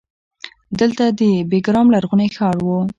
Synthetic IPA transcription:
d̪əlt̪ad̪əbeɡɾɑmlaɾɣunexɑɽwo

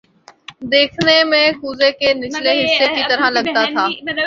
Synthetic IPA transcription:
d̪eːkʰnemẽːkuːzekeːnɪsleɦɪsekiːt̪ɐɾãlɐɠt̪at̪ʰaː

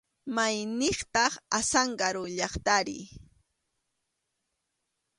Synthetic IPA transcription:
majnɪχt̪ɑχasaɴɢɑɾʊʎɑχt̪aɾɪ̰

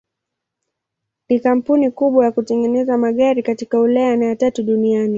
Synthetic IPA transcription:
nikam̩punikuɓwajakutɛŋɡɛnɛzamaɠaɾikatikaulajanajatatuɗuniani

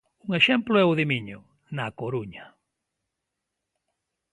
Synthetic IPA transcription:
uŋeʃemplʊɛʊðimiɲo̰ | nakoɾuɲa

